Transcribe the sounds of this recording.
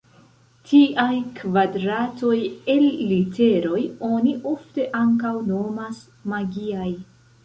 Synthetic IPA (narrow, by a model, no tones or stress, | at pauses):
tʰiʔajkvadɾato̞je̞llite̞ɾo̞jo̞niʔo̞fte̞ʔaŋkawno̞mas | maɡiaj